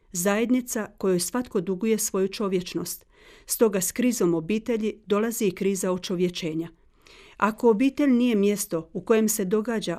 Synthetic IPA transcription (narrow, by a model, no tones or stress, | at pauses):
zaje̞d̪nit̪sako̞jojsʋat̪ko̞d̪uɡuje̞sʋo̞jut͡ʃo̞ʋje̞t͡ʃno̞st̪ | st̪o̞ɡaskɾiːzo̞mo̞biːt̪e̞ʎid̪o̞laziːkɾiːzaot͡ʃo̞ʋje̞t͡ʃe̞ːɲa | ako̞ːbiːt̪e̞ʎnije̞mje̞st̪o̞uko̞je̞mse̞d̪o̞ɡaːd͡ʑa